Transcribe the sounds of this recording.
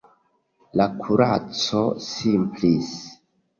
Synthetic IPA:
lakʰuɾat͡sosimplis

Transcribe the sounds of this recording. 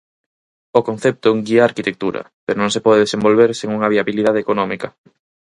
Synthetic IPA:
okon̟θɛp̚t̪ʊuŋɡiaːɾkit̪ek̚t̪uɾɐ̰ | peɾonõŋsepɔðeðesembolβeɾseŋuŋɐβ̞iaβiliðað̞ekonɔmikɐ

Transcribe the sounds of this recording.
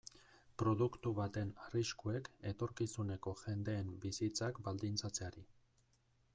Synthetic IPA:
pɾo̞ðukt̪uβat̪e̞nariskue̞ke̞t̪o̞ɾkisune̞ko̞ʝe̞nd̪e̞ːmbisit͡sakbald̪int͡sat͡se̞aɾi

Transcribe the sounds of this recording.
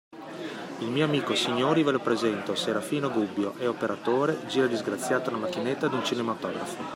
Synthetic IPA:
ilmiːoamiːkosiɲːoːɾivelopɾezɛnt̪oseɾafiːnoɡubːjoʔɛopeɾat̪oːɾed͡ʒiːɾad̪izɡɾat̪sːjaːt̪ounamakːinet̪ːad̪unt͡ʃinemat̪ɔːɡɾafo

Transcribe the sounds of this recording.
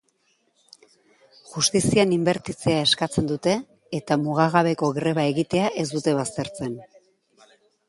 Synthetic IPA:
ʝust̪isianimbe̞ɾt̪it͡seae̞skat͡se̞nd̪ut̪e̞ː | t̪amuɣaɣaβe̞ko̞ɣɾe̞βae̞ɣit̪e̞aʔe̞zd̪ut̪e̞βast̪e̞ɾt͡se̞n

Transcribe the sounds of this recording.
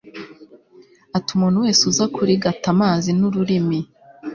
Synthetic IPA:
atumuːn̤̥huwe̞ːsuzakuɾiɡatamaːzinuɾuɾimi

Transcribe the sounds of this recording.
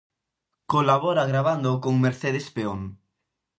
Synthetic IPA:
kolaβoɾaɣɾaβ̞and̪okoŋmeɾθeð̞espeoŋ

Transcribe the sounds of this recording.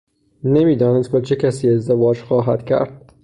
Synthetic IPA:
nemiːd̪ɒːneskɒt͡ʃʰecʰæsiːe̞zd̪evɒːd͡ʒxɒːɦæ̰d̪̥cʰæ̰ɾd̪̥̚

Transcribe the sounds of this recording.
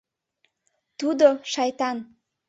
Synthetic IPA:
t̪ud̪oʃɑjt̪ɑn

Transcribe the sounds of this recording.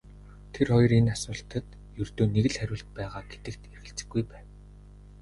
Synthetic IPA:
t̪ʰerχɔjɞ̆renasʊːɬt̪ə̆t̪ | jɵrt̪oːneɣɘ̆ɮχæɾʲʊːɬt̪̚pæːʁaːɡet̪ɘ̆k̚t̪erɣɘ̆ɬt͡sɘ̥̆ɡːujpæːn

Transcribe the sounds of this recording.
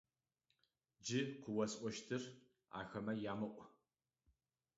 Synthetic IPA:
d͡ʒɪqʷʊwɐsʔʷʼɔʃtʰɨr | a̰ːxɐmɐjaːmɨʔʷʼ

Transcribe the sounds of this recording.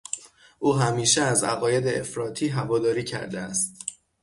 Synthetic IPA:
ʔuːɦæmiːʃeæzæ̰ɣɒːje̞d̪eefɾɒːt̪ʰiːɦævɒːd̪ɒːɾiːcʰæ̰ɾd̪eæst̪

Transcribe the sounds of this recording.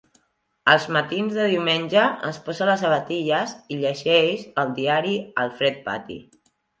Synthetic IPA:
əlˠzmət̪inzðəðiwmenʲʒəə̰nspɔzələs̬əβət̪iʎəziʎəʒɛʃəlˠd̪iaɾiəlˠfɾɛt̪̚pa̰t̪ḭ

